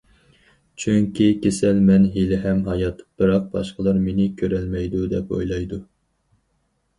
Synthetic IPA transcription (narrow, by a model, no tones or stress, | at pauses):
t͡ʃʰyŋkʲʰikʲesɛlmɛnɦelɪɦɛmɦɑjɑt̪b̥ɨɾɑq̚bɑʃqəlˠɨɾmenɪkʲʰøɾɛlmɛjd̪ud̪ɛpo̰jlˠɑjd̪u